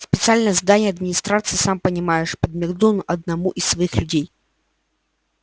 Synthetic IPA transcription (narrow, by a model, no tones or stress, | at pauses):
spʲɪt̪sɨalʲnəjəzd̪anʲɪjɐd̪mʲɪnʲɪst̪ɾat̪sɨɪsampənʲɪmajɪʂpəd̪̚mʲɪɡd̪unʔɐd̪̚nɐmuʔɪsːvɐixlʲʉdʲej